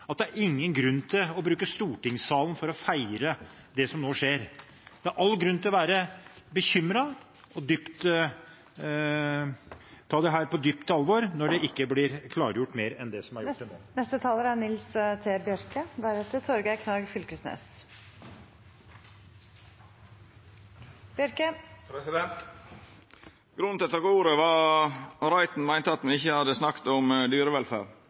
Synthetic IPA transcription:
ɑt̪̚d̪æɾɪŋːənɡɾʉnːt̪ʰɪlɔbɾʉːkəst̪uːʈɪŋsɑːlən̩fɔɾɔfæɪɾə | d̪ɛsɔmnoːʂeːɾ | d̪̥ɛæɾʔɑlːɡɾʉnːt̪ɪlɔʋæːɾə | bəçʏmɾɑ | ɔd̪ʏpt̪ | t̪ʰːɑːd̪ɛɦæːɾpɔd̪ʏpt̪əɑlʋoɾnɔɖɛʔɪkːəblɪɾkʰlɑːɾəjʊʈːmeːɾɛnd̪ɛsɔmæɾʊo̰ːnɛst̪ət̪ʰɑːləɾænɪlst̪ʰeːbjœɾkəd̪æɾɛt̪ət̪ʰɔɾɡækʰnɑːɡfʏlkəsnḛːs | b̥jœɾkəpɾɛsɪd̪ɛnt̪ | ɡ̥ɾʉnt̪ɛt̪ːəɾɡuːɾəʋɑ | ɾæɪt̪n̩mæɪnt̪əɑt̪mɛɪçːəhɑd̪əsnɑkt̪ɔmd̪yːɾəʋɛlfæ̰ːɾ

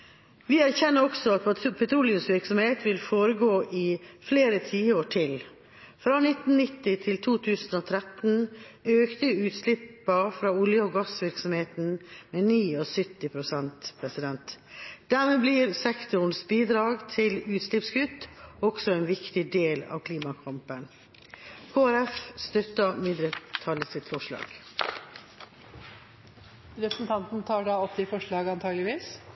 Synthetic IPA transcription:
ʋɪæɾçɛnːəɾɔksɔɑt̪̚ppʰɛt̪ʰɾuːlɪʉmsʋɪɾksɔmheːt̪ʰʋɪlfoːɾəɡoːʔɪfleːɾət̪ʰiːəoːʈʰɪl | fɾɑːnɪt̪n̩nɪt̪ːɪt̪ʰɪlt̪ʰuːt̪ʰʉːsn̩ɔːt̪ʰɾɛt̪n̩ | øːkt̪əʉːt̪slɪpːɑfɾɑːʊljəɔɡɑsʋɪɾksɔmheːt̪n̩meːniːɔsʏt̪ːɪpʰɾʊsɛnt̪pʰɾɛsɪd̪ɛnt̪ | d̪̥æɾmeːblɪɾsɛkt̪ʊn̩sbiːd̪ɾɑːɡt̪ʰɪlʉːt̪slɪpskʰʉt̪ːɔɡsɔɛːnʋɪkt̪ɪd̪eːlɑ̰ːʋkʰliːmɑkʰɑmpən | kʰoːæɾɛfst̪œt̪ːəmɪd̪ɾət̪ʰɑləsɪt̪fɔʂɭɑ̰ːɡ | ɾɛpɾəsn̩t̪ʰɑnt̪n̩t̪ʰɑːɖɑːɔpt̪ɪfɔʂɭɑːɡəɑnt̪ʰɑːɡlɪʋiːs

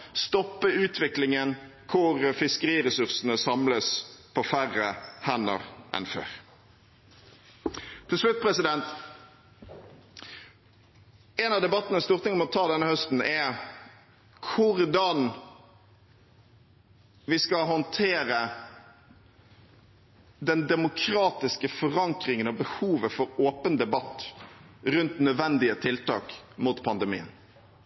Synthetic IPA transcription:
st̪ɔpːəʉːt̪ʰʋɪklɪŋən | kʰʊʁfɪskəʁiːʁɛsʉʁsənəsɑmləspʰɔfæʁːəhænə̰ʁʔɛ̰nfø̰ːʁ | t̪ʰɪlʂlʉt̪̚pʰʁɛsɪd̪ɛnt̪ | ɛnɑʋd̪ɛbɑt̪ːənəst̪uːʁt̪ɪŋmɔt̪ʰɑːd̪ɛnəhœst̪n̩ɛ | kʰʊɾd̪ɑn | ʋɪskɑɦɔnt̪ʰeːɾə | d̪ɛnd̪ɛmʊkʰɾɑːt̪ɪskəfɔʁɑŋkɾɪŋənɑbəhuːʋəfɔɾoːpənd̪ɛbɑt̪ː | ɾʉnt̪nœd̪ʋɛnd̪ɪət̪ʰɪlt̪ɑ̰ːkmuːt̪pʰɑnd̪ɛmḭːən

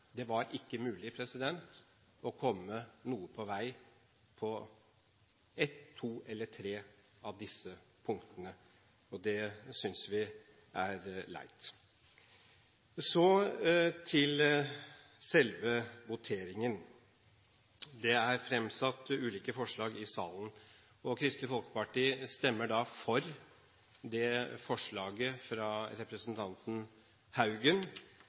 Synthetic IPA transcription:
d̪ɛʋɑɾɪkːəmʉːlɪpʰɾɛsɪd̪ɛnt̪ | ɔkʰɔmːənuːəpʰɔʋæɪ | pʰɔ | ɛt̪ʰːuːɛlːəʈʰɾeː | ɑʋd̪ɪsːə | pʰʊŋkt̪ənə | ɔd̪ɛsʏnsʋɪ | ʔæɾlæ̰ɪt̪ | sɔ | t̪ʰɪl | sɛlʋəʋʊt̪ʰeːɾɪŋən | d̪ɛæɾfɾɛmsɑt̪ːʉːliːkəfɔʂɭɑːɡɪsɑ̰ːln̩ | ɔkʰɾɪst̪lɪfɔlkə̥pɑʈiːst̪ɛmːəɖɑfɔɾ | d̪ɛfɔʂɭɑːɡəfɾɑɾɛpɾəsənt̪ʰɑnt̪n̩ | hɑʉɡən

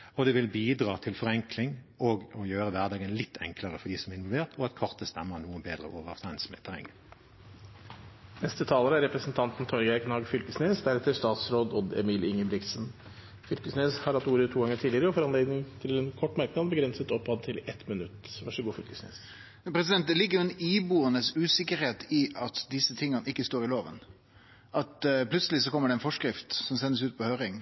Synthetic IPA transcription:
ɔd̪ɛʋɪlbiːd̪ʁɑːt̪ʰɪlfɔʁɛŋkʰlɪŋ | ɔɡɔjøːʁəʋæʁd̪ɑːɡənlɪt̪ʰːɛ̰ŋkləʁəfɔɖ̪iːsɔmæʁɪnʋɔlʋeːʁt̪ʰɔɑt̪kʰɔʁt̪əst̪ɛmːənuːənbeːd̪ʁə̰ʔoːʋəʁt̪ʰɛɪnsmɛ̰t̪ʰːɛʁɛ̰ŋːə | nɛst̪ət̪ʰɑːləɾəæɾɛpɾəsənt̪ʰɑnt̪n̩t̪ʰɔɾɡæɪknɑːɡfʏlkəsneːsd̪æɾɛt̪ːəʂt̪ɑːt̪sɾoːd̪ɔd̪ɛ̰miːlɪŋəbɾɪk̪sən | fʏlkəsneːshɑɾɑt̪uːɾət̪ʰuːɡɑŋːəʈʰiːlɪəɾəɔfɔɾɑnleːd̪nɪŋt̪ʰɪlɛnkʰɔʈːmɑɾknɑːd̪bəɡɾɛnsət̪ɔphɑd̪̚t̪ʰɪlɛt̪mɪnʉt̪ːʋæʂəɡuːfʏlkə̥snḛːs | pʰɾɛsɪd̪ɛnt̪̚d̪ɛlɪɡːəjʊɛniːbuːənəsʉːsɪkːəɾheːt̪ɪʔɑt̪d̪ɪsːət̪ʰɪŋːɑnəɪkːəst̪oːɾɪloːʋə̰n | ʔɑt̪plʉt̪səlɪsɔkʰɔmːəɖɛɛnfɔʂkɾɪft̪sɔmsɛnːəs̬ʉːt̪̚pʰɔhøːɾɪŋ

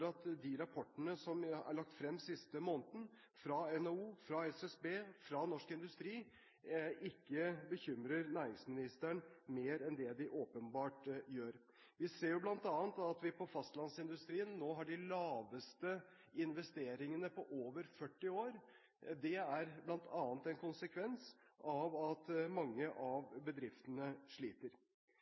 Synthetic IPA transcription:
ɾɑt̪d̪ɪɾɑpʰɔʈːəɳəsɔmæ̰ɭɑk̚t̪fɾɛmːsɪst̪əmoːnt̪n̩ | fɾɑɛnouːfɾɑɛsɛsbeːfɾɑnɔʂkɪnd̪ʉst̪ɾiː | ɪkːəbəçʏmɾəɾnæːɾɪŋsmɪnɪst̪æɳmeːɾɛnd̪ɛd̪ɪʔoːpənbɑːʈjøːɾ | ʋɪseːɾjʊblɑnt̪ɑːnt̪ɑt̪ʋɪpʰɔfɑst̪lɑnsɪnd̪ʉst̪ɾiːənnoːɦɑɖɪlɑːʋəst̪ə | ɪnʋɛst̪eːɾɪŋənəpʰɔʔoːʋəɾfœʈːɪoːɾ | d̪ɛæɾblɑnt̪ʰɑːnt̪ɛnkʰʊnsəkʰʋɛnsʔɑʋɑt̪mɑŋːəʔɑʋbəd̪ɾɪft̪ənəʂɭiːt̪əɾ

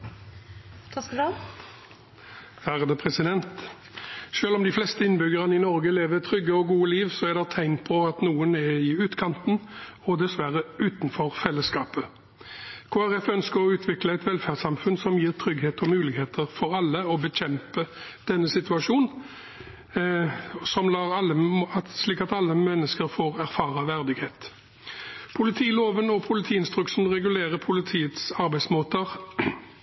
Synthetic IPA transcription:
hæʁəd̪əpʰʁɛsɪd̪ɛnt̪ | ʃøːlɔmd̪ɪflɛst̪əɪnbʏɡəʁənɪnɔʁɡəleːʋət̪ʰʁʏɡːəɔɡuːəliːʋsɔɛʁd̪ɛʁt̪ʰæɪnt̪pʰɔɑt̪nuːənɛɪʉːt̪kʰɑnt̪n̩ | ɔd̪ɛsʋæʁəʉːt̪nfɔʁfɛlːəskɑːpə | kʰoːæʁɛfœnskəɾɔʉːt̪ʰʋɪkləɛt̪ʋɛlfæʁd̪sɑmfʉnsɔmjiːʁt̪ʰɾʏɡheːt̪ʰɔmʉːlɪɡheːt̪ʰəʁfɔɾɑlːəɔbəçɛmpəd̪̥ɛnːəsɪt̪ʉɑʂuːn | sɔmlɑːʁɑlːəsliːkɑt̪ɑlːəmɛnːəskəɾfoːʁæʁfɑːʁɑʋæʁd̪ɪɡheːt̪ | pʰʊlɪt̪ʰiːloːʋənɔpʰʊlɪt̪ʰiːɪnst̪ʁʉksn̩ʁɛɡʉleːʁəpʰʊlɪt̪ʰiːət̪sɑɾbæɪd̪smoːt̪əʁ

